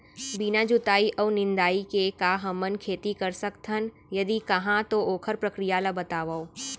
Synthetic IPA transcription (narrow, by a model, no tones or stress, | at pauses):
binad͡ʒʊt̪aːiʔɔːnɪ̃nd̪aːikekaɦɐmənkʰeːt̪ikɐɾsɐkt̪ʰən | jɐd̪ikɐɦãt̪oʔoːkʰəɾpɾɐkɾijaːlabɐt̪aːʋa